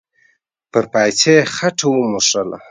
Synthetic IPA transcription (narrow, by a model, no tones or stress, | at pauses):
pəɾpajt͡sʰexaʈ͡ʂʰawumuʂala̰